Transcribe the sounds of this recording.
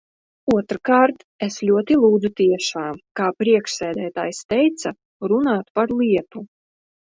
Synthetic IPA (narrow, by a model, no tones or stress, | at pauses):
uɔt̪ɾkaːɾt̪ | eslʲuɔt̪ilˠuːd̪zut̪iɛʃaːmkaːpɾiɛkʃsɛːd̪æːt̪a̰ːjst̪ɛjt̪sa | ɾunaːt̪paɾlˠiɛt̪u